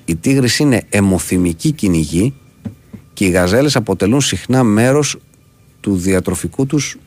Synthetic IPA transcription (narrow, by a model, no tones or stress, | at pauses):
it̪iɣɾisiine̞ːmo̞θimiciciniʝi | ce̞iɣɐze̞le̞sɐpo̞t̪e̞lunsixnɐme̞ɾo̞s | t̪uðiɐt̪ɾo̞fikut̪us